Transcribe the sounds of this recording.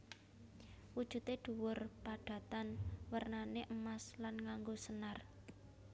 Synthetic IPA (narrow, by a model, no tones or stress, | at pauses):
wud̥ʒ̥ṳt̪eɖ̪̥ṳwʊrpaɖ̥ä̤t̪anwərnaneʔəmaslanŋaŋɡosənar